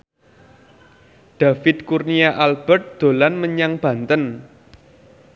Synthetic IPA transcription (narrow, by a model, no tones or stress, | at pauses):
ɖ̥a̤fɪd̪kurniaʔalb̥ɛrt̪̚d̪̥o̤lanməɲaŋb̥ä̤nt̪ən